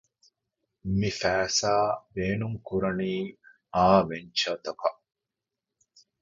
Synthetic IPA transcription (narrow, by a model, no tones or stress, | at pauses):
mifæːsaːbeːnuŋkuɾɐniː | aːʋeɲt͡ʃɐt̪ɐkɐʔ